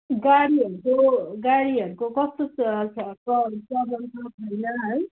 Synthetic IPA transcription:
ɡaɽiɦʌɾukoɡaɾiʌɾukokʌst̪oskʌt͡sʌbʌntʌt̪ʰʌjnʌɦʌj

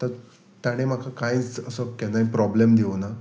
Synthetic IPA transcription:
t̪əɾ | t̪jaɽ̃em̤akʰakajt͡səsəkɛnajpɾɔblemd̪iʋna

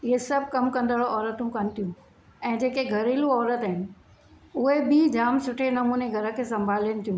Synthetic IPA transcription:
ɪɦesɐbʱkɐmkɐ̃nd̪əɭoʔɔːɾət̪ũkɐnɪ̆t̪ʰijũ | ɛ̃ːd͡ʑeːkeɡʱɐɾeːlũɔːɾət̪aɦɪnɪ̆ | ʊɦebid͡ʑaːmsʊʈʰenɐmuːneɡʱɐɾə̃kʰeːsɐ̃mbʱaːlənɪ̆t̪ʰijũː

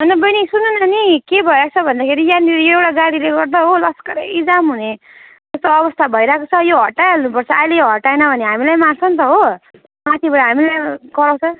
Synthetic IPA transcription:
ʌnʌbʌjnisunːunanikebʱʌjɾakt͡sʰʌbʱʌnd̪akʰeɾijaniɾewɽaɡaɽileɡʌrd̪aɦolʌskʌɾeid͡zamɦune | t̪ʌst̪oʌβʌst̪ʰabʱʌjɾakot͡sʰʌjoɦʌʈːajalnupʌrt͡sʰʌʔajlejoɦʌʈːaenʌbʱʌneɦamilajmansʰʌnt̪̬ʌɦo | mat̪ʰibaɽaɦamilajɡʌɾaw̃t͡sʰʌ

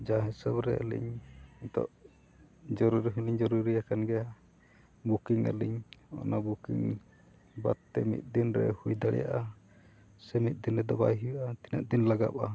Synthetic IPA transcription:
d͡ʒaɦɛsəbɾɛə̰lḭɲit̪ɔ̰ʔ | d͡ʒɔɾuɾiɦuliɲd͡ʒɔɾuɾiakanɡɛa | bukiŋə̰liɲɔ̰nabukiŋ | ba̰t̪ːɛmḭt̪̚d̪inɾɛ̰hujd̪aɽɛ̰ja̰ʔa | sɛmit̪̚d̪inɾɛd̪ɔbaɦiwʔat̪ina̰ʔd̪inlaɡa̰pa

